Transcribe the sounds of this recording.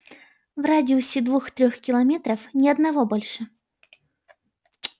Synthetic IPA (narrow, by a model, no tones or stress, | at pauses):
vradʲɪusʲɪd̪vuxt̪ɾʲɔxkʲilˠɐmʲɛt̪ɾɐfnʲiɐd̪navɔbɔlʲʂɨ